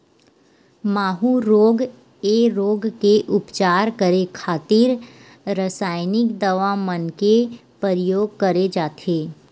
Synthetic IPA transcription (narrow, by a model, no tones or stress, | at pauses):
maːɦuɾoːɡ | eɾoːɡkeʔʊpt͡ʃaːɾkəɾekʰaːt̪ɪɾ | ɾəsaːɪnɪkd̪əʋamənkepəɾjoːɡ̚kəɾed͡ʒaːt̪ʰeː